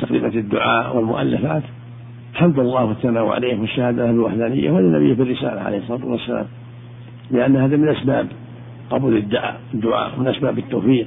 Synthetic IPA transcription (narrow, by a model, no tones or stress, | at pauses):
t̪aqɾḭːmad̪ːʊʕaːʔwɪlmʊ̰ʔa̰lːafaːt̪ | ħamd̪ˤɑlˤːɑːhwaθːanaːw̰ʕa̰leːhwaʃːahaːd̪ahblwa̰ħd̪aːnɪ̰jːa̰hwhaːðinːabɪjːafirːɪsa̰ːla̰ʕa̰ḛːhsˤːɑɾaːt̪uwasːala̰ːm | lɪʔanːhaːðamɪnʔasbaːb | qɑbuːlɪd̪ːʊʕa̰ːʔɪd̪ːʊʕa̰ːʔwmɪnʔasbaːbɪt̪ːoːfiːq